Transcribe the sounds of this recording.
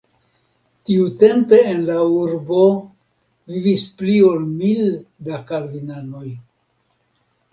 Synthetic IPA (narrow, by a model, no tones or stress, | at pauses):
tiute̞mpe̞ːnlauɾbo̞ | vivisplio̞lmildakalvinano̞j